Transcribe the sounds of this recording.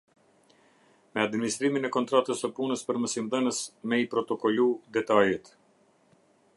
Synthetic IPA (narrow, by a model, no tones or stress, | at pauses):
mɛad̪minist̪ɾiminɛkɔnt̪ɾat̪əsəpunəspəɾməsimðənəsmɛipɾɔt̪ɔkɔlud̪ɛt̪ajɛt̪